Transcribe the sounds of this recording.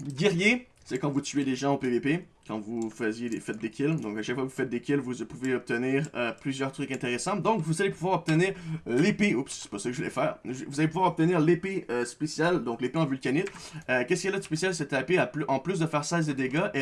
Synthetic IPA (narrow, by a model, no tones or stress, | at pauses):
ɡʲiʁje | sɛkɑ̃vut̪yeleʒɑ̃opevepe | kɑ̰̃vufəzjed̪efɛt̪̚d̪ekʲʰild̪ɔ̃kaʃakfwakvufɛt̪̚d̪ekʲilvupuveɔp̚t̪əniːʁøplyzjœʁt̪χʁykɛ̃t̪eʁesɑ̃d̪ɔ̃kvuzalepuvwaːʁɔp̚t̪əniːʁlepeupssɛ̥pasakəʒvulɛ̰fɛːʁʒvuzalepuvwaːʁɔp̚t̪əniːʁlepeøspesjald̪ɔ̃klepeɑ̃vylkanɪt̪økʲɛskʲiɛlɛt̪spesjalsɛt̪apeapʔɑ̃plys̬d̪əfɛːʁsɛzed̪eɡaʔe